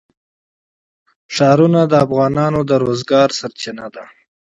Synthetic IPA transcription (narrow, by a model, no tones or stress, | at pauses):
ʂɑɾunad̪əːfɣɑːnɑnod̪əɾozɡɑːɾsaɾt͡ʃɪnad̪a